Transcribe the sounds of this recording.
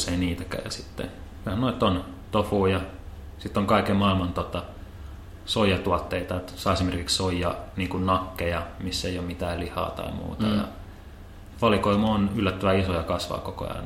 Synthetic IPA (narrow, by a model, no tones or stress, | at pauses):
seiniːt̪ækæ̰ːjɑ̰sit̪ːḛ | kyhænoit̪ːon | t̪ofuːjɑ | sit̪ːoŋkɑikemmɑilmɑnt̪ot̪ɑ | soijɑt̪uɑt̪ːeit̪ɑet̪sɑːesimerkikssoijːɑ̰niːŋkunnɑkːejɑmisːeiomit̪æːllihɑ̰ːt̪ɑ̰imṵːt̪ɑjɑ̰ | ʋɑlikoimonylːæt̪ːæʋæisojɑkɑsʋɑ̰ːkoko̰ɑ̰in